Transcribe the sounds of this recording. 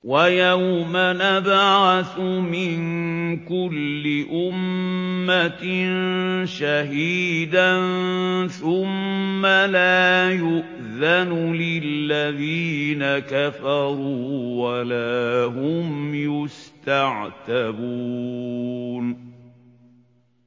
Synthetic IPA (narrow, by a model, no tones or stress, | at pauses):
wajawmanabʕasʊmɪnkʊlːɪʔʊmːanʃaɦiːd̪anθʊmːalaːjʊʔ | ðanʊlɪlːaðiːnakafɑɾˤuːwalaɦʊmjʊst̪aʕt̪abuː | n